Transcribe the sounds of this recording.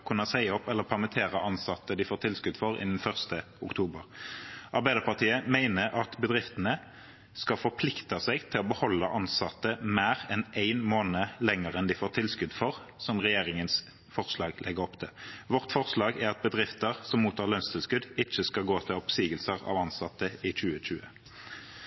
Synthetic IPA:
kʰʉnːəsæɪɔpːɛlːəʁpʰɑʁmət̪ʰeːʁəʔɑnsɑt̪ːəd̪ɪfoːɾt̪ʰɪlskʉd̪fɔɾɪ̰nd̪n̩fœʁst̪ə | ʊkt̪ʰuːbəʁɑʁbæɪd̪əpɑʁt̪ʰiːəmæɪnəɾʔɑt̪bəd̪ʁɪft̪ənə | skɑfɔʁpʰlɪkt̪ɑsɛɡt̪ʰɪlɔbəhɔlːəʔɑnsɑt̪ːəmæːʁɛnʔæɪnmoːnəlɛŋəʁɛnd̪ɪfoːʁt̪ʰɪlskʉd̪fɔʁ | sɔmʁɛjeːʁɪŋəns | fɔʁslɑːɡlʔɛɡəʁɔpt̪ʰɛʋɔʁt̪fɔʁslɑːɡæʁɑt̪̚bəd̪ʁɪft̪əʁsɔmuːt̪ʰːɑːʁlœnst̪ʰɪlskʉd̪ɪt͡ʃːəskɑlɡoːt̪ʰɪlɔpsiːɡəlsəʁɑ̰ʋɑnsɑt̪ːəɪc͡çʉːəc͡çʉːə

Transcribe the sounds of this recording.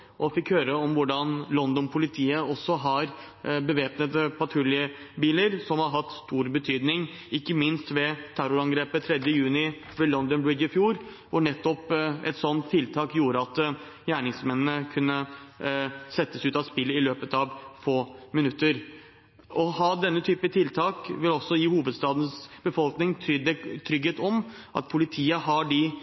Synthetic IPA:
ʔɔfɪkhøːɾəɔmʋʊɖɑnlɔnd̪ɔnpʰʊlɪt̪ʰiːəɔsɔɦɑɾ | bəʋeːpnət̪əpʰɑt̪ʰɾʉljə | biːləɾsɔmhɑɾɦɑt̪ːst̪uːɾbət̪ʰyːd̪nɪŋ | ɪkːəmɪnst̪ʋɛt̪ʰæɾʊɾɑŋɡɾeːpət̪ʰɾɛd̪jəjʉːnɪ | ʋɛlɔnd̪ɔnbɪɡɪfjuːɾ | ʋʊɳɛt̪ːɔpɛ̰t̪sɔnt̪t̪ʰɪlt̪ʰɑːkjuːɾəɑt̪ | jæːɳɪŋsmɛnnəkʰʉnːə | sɛt̪ːəsʉːt̪ɑspɪlːɪløːpət̪ɑʋfoːmɪnʉt̪ːəɾ | ʔɔhɑd̪ɛnːət̪ʰyːpət̪ʰɪlt̪ʰɑːkʋɪlɔsɔjiːhuːʋəd̪st̪ɑːd̪n̩sb̥əfɔlknɪŋʰd̪ɛt̪ʰɾʏɡheːt̪ɔm | ʔɑ̰t̪pʰʊlɪt̪ʰiːəɦɑɖɪ

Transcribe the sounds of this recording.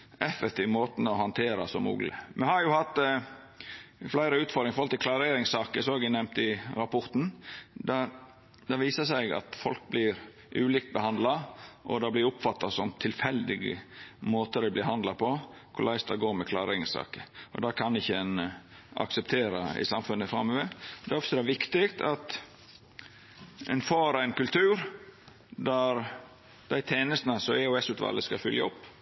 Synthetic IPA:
ɛfːɛk̚t̪ʰiːʋmoːt̪n̩ɔhɑnt̪ʰeːɾɑsɔmṵːɡlə̰mɛhɑɾjʊhɑt̪ː | flæɪɾəʉːt̪fɔɾd̪ɾɪŋəfɔɾɑlt̪ːkʰlɑɾeːɾɪŋsɑːkəsɔɑɡɪnɛmt̪ɪɾɑpʰɔɾt̪n̩d̪ɑ | d̪ɑʋiːsəsɛɪɡɑ̰t̪fɔ̰lk̚blɪɾ | ʔʉːliːk̚t̪̚bəhɑnd̪lɑʔɔd̪ɑblɪɾʊpfɑt̪ːɑsɔmt̪ʰɪlfɛld̪ɪɡə̰moːt̪əɾɛblɪɦɑnd̪lɑpʰɔ | kʰʊlæɪst̪ɑɡoːɾmɛkʰlɑːɾɪŋsɑ̰ːkəɔ̰d̪ɑkʰɑnɪçːəɛn | ʔɑ̰ksɛp̚t̪ʰeːɾɑɪ̰sɑmfʉnːəfɾɑmːɔʋed̪ɛɔpsəɾɑʋɪkt̪ɪɡt̪ʰɑt̪ | ɛ̰nfɑːɾæɪnkʉlt̪ʰʉːɾ | d̪æɾ | d̪̥æɪt̪ʰeːnəst̪nəsɔɛɔɛsʉːt̪ʋɑ̰ləskɑfʏljɑʊpː

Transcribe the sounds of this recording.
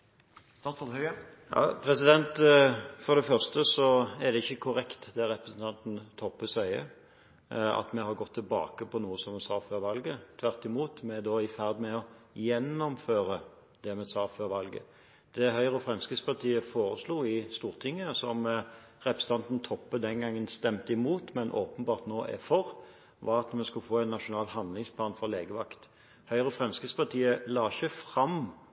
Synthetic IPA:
jɑ̰pʰɾɛsɪd̪ɛnt̪fɔɾd̪ɛfœʁst̪əsɔæɾd̪ɛɪçːəkʰʊɾɛkt̪d̪ɛɾɛpɾəsn̩t̪ʰɑnt̪n̩t̪ʰɔpːəsœʏə̰ | ɑ̰t̪mɛhɑɾɡɔt̪ʰːɪlbɑ̰ːkəpʰɔnuːəsɔmɛsɑːføːɾʋɑlɡət̪ʰʋæʁt̪ɪmuːt̪mɛd̪oːɪfæʁd̪mɛɔjɛnːɔmføːɾə | d̪̥ɛmɛsɑːføːɾʋɑlɡə̰ | d̪̥ɛɦœʏʁəfʁɛmskəspʰɑʁt̪ʰiːəfoːɾəsluːɪst̪uːʁt̪ʰɪŋːəsɔm | ʁɛpɾst̪ʰɑnt̪n̩t̪ʰɔpːəd̪ɛnɡɑŋːənst̪ɛmt̪əɪmuːt̪mɛnʔoːpənbɑːʁt̪noːʔɛ̰fɔʁ | ʋɑɾɑt̪mɛskʉlfoːæɪnːɑʃʊnɑːlhɑnd̪lɪŋspʰlɑːnfɔʁleːɡəʋɑkt̪ | hœʏʁəfʁɛmskəspʰɑʁt̪ʰiːəlɑːçəfʁɑm

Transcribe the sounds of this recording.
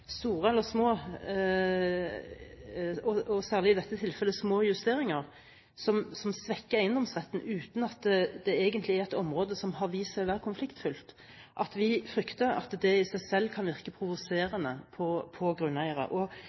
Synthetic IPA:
st̪uːɾəɛlːəsmoː | ɔɔsæːʁlɪɪd̪ɛt̪ːət̪ʰɪlfɛlːəsmoːjʉst̪eːɾɪŋəʁ | sɔmsɔmsʋɛkːəæɪənd̪ɔmsʁɛt̪ːn̩ʉːt̪n̩ɑt̪d̪ɛeːɡənt̪lɪæʁɛt̪ɔmɾoːd̪əsɔmhɑʁʋiːsæɪʋæːʁkʰʊnflɪkt̪fʏlt̪ | ʔɑt̪ʋɪfɾʏkt̪əɾɑ̰t̪d̪ɛɪsæɪsɛlːkʰɑnʋɪʁkəpʰʁʊʋʊseːɾənəpʰɔpʰɔɡɾʉnːæɪəɾə̰ʔɔ

